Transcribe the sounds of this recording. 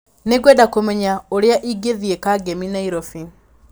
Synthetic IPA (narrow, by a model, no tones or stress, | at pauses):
neɡwɛdakomɛɲaoɾeaʔiɡeðiekaɡeminaiɾofi